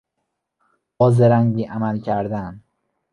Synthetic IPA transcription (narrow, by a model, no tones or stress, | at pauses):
bɒːzeɾæŋɟiːʔæmælcʰæɾd̪æn